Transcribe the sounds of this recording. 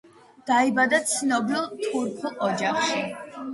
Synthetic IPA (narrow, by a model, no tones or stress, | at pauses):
d̪̥aibad̪at̪sʰnɔbilˠt̪ʰuɾpʰulˠɔd͡ʒaχʃi